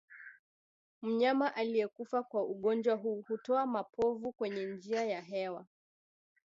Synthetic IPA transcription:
m̩ɲamaʔalijɛkufakwauɠɔnd͡ʒwaɦuːhutɔamapʰɔvukwɛɲɛnd͡ʒiajaɦɛwa

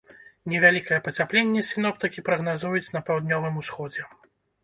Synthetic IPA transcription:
nʲɛvʲalʲikɐjɛpɐt͡sʲaplʲenʲːɛsʲinɔpt̪ɨkʲipɾɐɣnazujut͡sʲnɐpawd̪nʲɔvɨmusxɔd͡zʲɛ

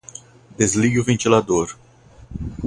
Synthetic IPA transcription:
d̪ezliɡʊvẽnt͡ʃilad̪oɾ

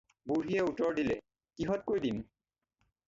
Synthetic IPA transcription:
buɹɦiɛutɔɹdilɛ | kiɦɔt̚kojdin

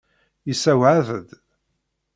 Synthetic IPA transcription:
jisæwʕaðəd̪

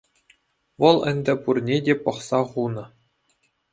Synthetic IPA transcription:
ʋɤ̆lˠɘ̆nʲdʲɘ̆purnʲedʲepɤ̆χsɑχunɤ̆

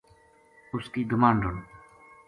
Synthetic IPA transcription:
ʊskiːd̪ʊmaːnɖʊn

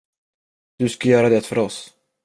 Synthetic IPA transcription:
d̪̥ɵskajœːɾad̪ɛt̪fœɾɔs

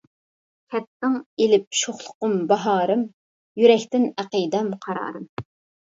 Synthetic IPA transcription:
kʲʰɛt̪ːɨŋelɪp̚ʃoχlˠʊ̥qʊmbɑɦɑːɾɨm | jyɾɛkʲt̪ɪnæqid̪ɛmqʰɑɾɑ̰ːɾɨm

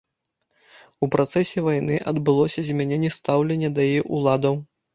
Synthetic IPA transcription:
upɾat̪sɛsʲɛvajnɨʔɐd̪bɨlˠɔsʲɐzʲmʲɛnʲɛnʲːɛst̪awlʲenʲːɐd̪ɐjiʔulˠad̪ɐw

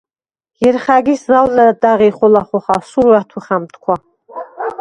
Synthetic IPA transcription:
jɛrχaɡʲiszawlaatʼaʁiχʷʊlaχʷʊχasuɾatʰuχamtʰkʷʰa

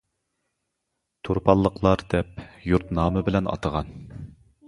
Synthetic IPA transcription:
t̪ʰoɾpʰɑlˠːəqʰlˠɑɾd̪ɛpjuɾt̪nɑːmɨbɪlɛnɑ̰t̪ʰəʁɑn

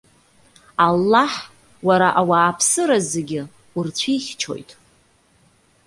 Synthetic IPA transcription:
alːaħ | waɾaʔawaːpʰsɨɾazeɡʲɪ | urt͡ɕʷʰiχʲt͡ʃʰo̞̰jtʼ

